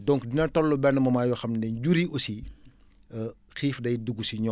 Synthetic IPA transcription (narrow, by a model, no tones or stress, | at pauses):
dɔŋkdinɐtɔlːubɛnːəmɐmaːjɔxɐmnɛnɟuɾiʔosi | xiːfdɐjduɡːusiɲɔ